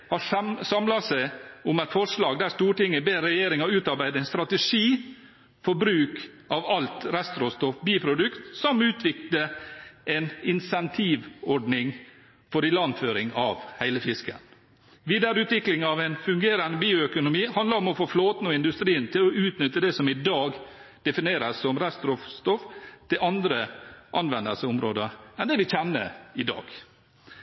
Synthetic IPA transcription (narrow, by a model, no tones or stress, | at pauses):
hɑsɑmlɑsæɪʊmæɪt̪fɔʂlɑːɡd̪æɾst̪uːʈɪŋːəbeːɾːɛjeːɾɪŋɑʉːt̪ɑɾbæɪd̪əɛɪnst̪ɾɑt̪əʂiː | fɔbɾʉːk | ɑʋɑlt̪ɾɛst̪ɾɔst̪ɔfbiːpʰɾʊd̪ʉkt̪sɔmʉːt̪ʰʋɪkləʔɛnɪnsɛnt̪ʰiːʋɔɖɳɪŋ | fɔɾɪlɑnføːɾɪŋɑ̰ːʋhæɪləfɪskə̰n | ʋiːd̪æɾʉːt̪ʋɪklɪŋɑʋɛɪnfʉŋɡeːɾɑnəbiːʊœkʊnʊmiːhɑnd̪ləɾɔmɔfoːfloːt̪nɔɪnd̪ʉst̪ɾiːnt̪ʰɪlɔʉːt̪nʏt̪ːəd̪ɛsɔmɪd̪ɑːɡd̪̥ɛfɪneːɾəsːɔmɾɛst̪ɾɔfst̪ɔft̪ʰɪlʔɑnd̪ɾəʔɑnʋɛnd̪əsəʊmɾoːd̪əɾɛnd̪ɛʋɪçɛnːə̰ɪd̪ɑ̰ːɡ̥